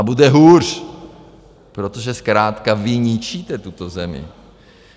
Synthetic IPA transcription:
abudɛɦuːr | pɾot̪oʒɛskɾaːt̪kavɪɲit͡ʃit̪ɛt̪ut̪ozɛmɪ̰

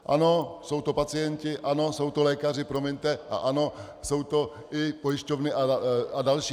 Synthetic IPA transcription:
ʔa̰no̞so̞wt̪o̞pat͡sɪjɛncɪʔano̞so̞wt̪o̞lɛːkar̝ɪpɾo̞mɪɲt̪ɛʔa̰ʔano̞ | so̞wt̪o̞ | ʔɪpojɪʃcovnɪʔaadalʃiː

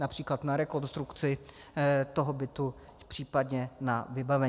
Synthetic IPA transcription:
napr̝̥iːklat̪naɾɛko̞nst̪ɾukt͡sɪ | t̪o̞ɦobɪt̪u | pr̥iːpad̪ɲɛnavɪbavɛ

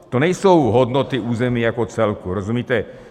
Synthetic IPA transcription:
t̪ɔɲɛjsuʊɦɔd̪nɔt̪iuːzɛmɪiːakɔt͡sɛlkuɾɔzumit̪ɛ

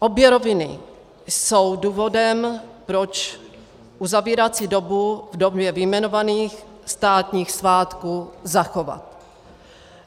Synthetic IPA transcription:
ʔobjɛɾovɪnɪ̰ | sowduːvo̞dɛmpɾot͡ʃ | ʔuzaviːɾat͡sidobuvdobjɛvɪmɛnovaniːx | st̪aːt̪ɲiːxsvaːt̪kuːzaxo̞va̰t̪

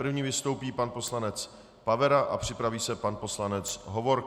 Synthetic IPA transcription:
pr̩vɲiːvɪst̪owpiːpanpo̞slanɛt͡s | pavɛɾaʔapr̝̥ɪpɾaviːsɛpanpo̞slanɛt͡sɦovoɾ

